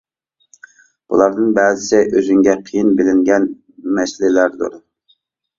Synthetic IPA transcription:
b̥ṵlˠɑɾd̪ɨnbɛːzɪsɪʔøzyŋɡʲɛqʰijinbɪlɪŋɡʲɛn | mɛslɪlæɾd̪ṵɾ

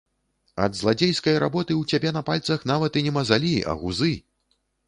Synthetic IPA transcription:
ɐ̰d̪zlˠad͡zʲejskɐjɾa̰bɔt̪ɨwt͡sʲabʲɛnɐpalʲt̪sɐxnavɐt̪inʲɛmɐzalʲiʔɐ̰ɣuzɨ

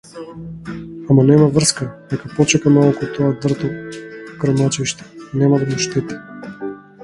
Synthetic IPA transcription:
amanɛmavr̩skad̪ɛkapɔt͡ʃɛkanɔlˠkot̪ɔad̪r̩t̪okɾmɔt͡ʃiʃt̪ɛ̥nɛmad̪amuʃt̪ɛt̪ḁ

